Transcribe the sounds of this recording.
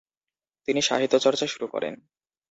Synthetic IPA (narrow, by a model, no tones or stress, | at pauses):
t̪iniʃa̰ɦit̪ːot͡ɕɔɾt͡ɕaʃuɾukɔ̰ɾḛn